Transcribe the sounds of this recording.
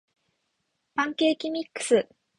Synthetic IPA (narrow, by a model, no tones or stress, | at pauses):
b̥ãŋke̞ːkʲimʲikːɯ̥sɨ